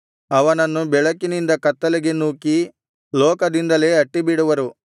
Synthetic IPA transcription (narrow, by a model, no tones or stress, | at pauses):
ɐʋɐnɐnːubɛɭɐkinind̪ɐkɐt̪ːɐleɡenuːki | lɔːkɐd̪ind̪ɐle̞ːɐʈːibiɽuʋɐɾu